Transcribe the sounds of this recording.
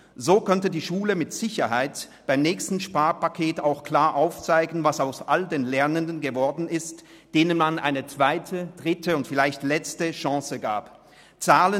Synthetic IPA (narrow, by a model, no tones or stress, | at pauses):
zoːkʰœntədiːʃuːləmɪtz̥ɪçɐɦaɪt | b̥aɪmnɛːçstn̩ʃpaːɐpakʰeːtaʊxkʰl̥aːɐʔaʊft͡saɪɡn̩vasaʊsʔaldeːnlɛɐnəndən̩ɡəvɔɐdn̩ɪst | d̥eːnənmanʔa̰ɪnət͡sv̥aɪtʰəd̥ʁɪtəʊntfɪlaɪçtlɛt͡stəʃɑ̃ːsəɡa̰ːp | t͡saːlə